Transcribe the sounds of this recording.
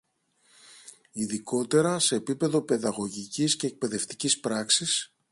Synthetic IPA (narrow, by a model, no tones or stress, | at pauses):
iðiko̞t̪e̞ɾɐse̞ːpipe̞ðo̞pe̞ðɐɣo̞ʝicisce̞ːk̚pe̞ðe̞ft̪i̥cispɾɐksis